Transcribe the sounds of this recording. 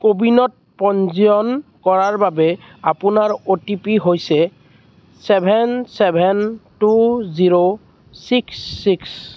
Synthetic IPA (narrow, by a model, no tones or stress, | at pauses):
kobinɔt̚pɔnziɔnkɔɹaɹbabɛ | apunaɹotipiɦojsɛ | sɛbʱɛnsɛbʱɛntuziɹo | siksːiks